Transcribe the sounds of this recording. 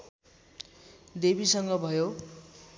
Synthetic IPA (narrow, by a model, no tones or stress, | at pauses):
d̪ebisʌŋɡʌbʱʌjo